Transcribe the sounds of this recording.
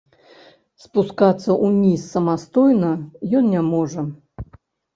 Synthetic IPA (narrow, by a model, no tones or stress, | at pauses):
spuskat̪sːɐʔunʲisːɐmast̪ɔjnɐjɔnnʲamɔʐɐ